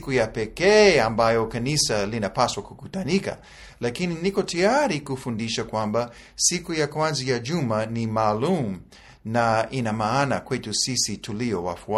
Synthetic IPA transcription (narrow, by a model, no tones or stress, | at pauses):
kujapɛkɛːambajɔkanisalinapaswakukutanika̰ | lakininikɔtiaɾikufundiʃakwãmba | sikujakwãnzijad͡ʒumanimaːlum | naʔinamaanakwetusisitʰuliɔwa̰fua